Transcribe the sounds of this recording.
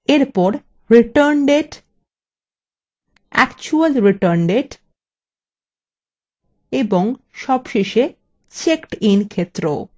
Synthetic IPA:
eɾpɔɾ | ɾiʈəɾnɖeʈ | ɛ̰kt͡ɕualɾiʈəɾnɖeʈ | eboŋ | ʃɔbʃeʃe | t͡ɕekʈinkʰet̪ːɾo

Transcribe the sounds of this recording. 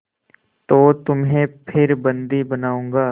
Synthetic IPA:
t̪oːt̪ʊmɦẽpʰɪɾbɐ̃nd̪ibənaːũːɡaː

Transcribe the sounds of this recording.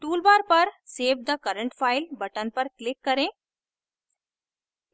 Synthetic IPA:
ʈuːlbaːɾpɐɾseːbd̪ɐkɐɾəɳʈfʰaːɪlbɐʈənpɐɾklɪkːɐɾẽː

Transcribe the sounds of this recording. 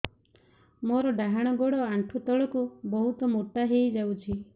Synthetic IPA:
moɾɔɖaɦaɽ̃ɔɡɔɽɔaɳʈʰut̪ɔɭɔkubɔɦut̪ɔmoʈaɦejd͡ʒawt͡ʃʰi

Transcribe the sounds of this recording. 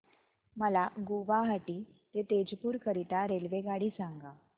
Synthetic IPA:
məlaɡuʋaɦaʈiː | t̪et̪ed͡ʑpuːɾkəɾit̪aɾelʋeɡaɽiːsaŋɡa

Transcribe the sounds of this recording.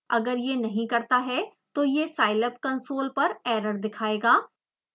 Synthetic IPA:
ɐ̰ɡəɾjenɐɦĩkɐɾt̪aɦɛ | t̪oːjesaːɪləp̚kɐ̃nsoːlpɐɾɛːɾəɾd̪ɪkʰaːeːɡaː

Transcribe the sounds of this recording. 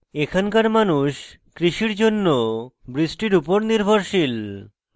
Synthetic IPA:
ekʰankaɾmanuʃ | kɾiʃiɾd͡ʑonːobɾisʈiɾupoɾniɾbʱoɾʃil

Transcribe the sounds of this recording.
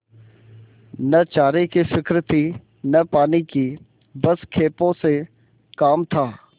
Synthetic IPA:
nɐt͡ʃaːɾekisɪkɾɪt̪i | nɐpaːniki | bɐskʰeːpõse | kaːmt̪ʰaː

